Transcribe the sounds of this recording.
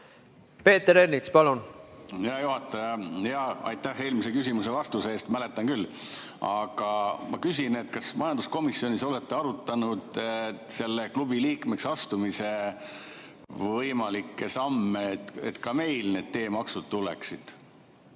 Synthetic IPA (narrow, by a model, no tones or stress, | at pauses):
pe̞ːt̪eɾeɾnit̪spɑlunjɑjuɦɑt̪ːˑɑjɑjɑɑ̰jt̪ːæhe̞ːlmisekysimuse̞vɑst̪useːst̪mæle̞t̪ːˑɑŋkylː | ɑɡ̥ɑmɑkysine̞t̪ːˑkɑsmɑjɑnd̪̥usko̞misio̞nʲiso̞le̞t̪ːˑeɑɾut̪ːˑɑnud̪̥se̞lːeklubiliːkme̞ksɑst̪umise̞ | vɤjmɑlikˑːe̞sɑmːet̪e̞̰t̪kɑme̞jlne̞ːd̪̥̚t̪e̞ːmɑksud̪̥̚t̪ulḛksid̪̥